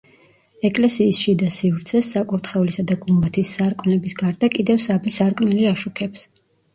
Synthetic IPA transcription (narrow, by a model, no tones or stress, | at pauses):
ɛkʼlɛsiːsʃid̪asivɾt̪sʰɛsːakʼuɾt̪ʰχɛulisad̪aɡumbat̪ʰisːaɾkʼmnɛbisɡaɾd̪akʼid̪ɛvsabisaɾkʼmɛliaʃukʰɛps